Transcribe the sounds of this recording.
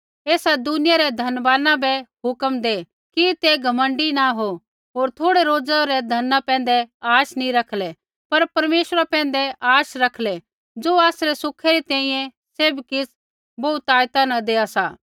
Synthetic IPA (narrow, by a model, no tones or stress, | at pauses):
eːsad̪ʊnɪjaɾɛd̪ʱɐnʋaːnãbɛɦʊkəmd̪eː | kit̪eɡʱɐmə̃ɳɖinaɦo | ɦoːɾt̪ʰoːɽeɾoːd͡zaɾɛd̪ʱɐnːapɛ̃ːn̆d̪ɛaːʃnĩɾɐkʰlɛ | pɐɾpɐɾmeːʃɾapɛ̃ːn̆d̪ɛʔaːʃɾɐkʰlɛ | d͡ʒoːaːsɾɛsʊkʰeɾit̪ɛ̃ːĩjɛ̃ | seːbkɪs | bɐut̪aːjt̪anãd̪eːasaː